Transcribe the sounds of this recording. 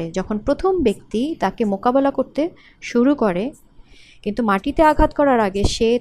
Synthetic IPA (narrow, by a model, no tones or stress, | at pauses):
ed͡ʑɔkʰonpɾot̪ʰombekt̪it̪akemokabelakoɾt̪e | ʃuɾukoɾe | kint̪umaʈit̪eaɡʱat̪kɔɾaɾaɡeʃe